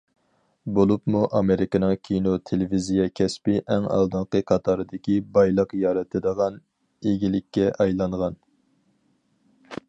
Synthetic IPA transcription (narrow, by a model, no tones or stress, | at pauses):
bolˠupmuʔɑmeɾɪkʲɨnɨŋkʲʰinot̪ʰelɪvizijɛkʲʰɛspɪʔɛŋɑ̰lˠd̪ɨɴqəqʰɑt̪ʰɑɾɨd̪ɪkʲibɑjlˠəqjɑːɾɛt̪ʰɨd̪əʁɑn | eɡʲilɪkʲːɛʔɑjlˠɑɴʁɑn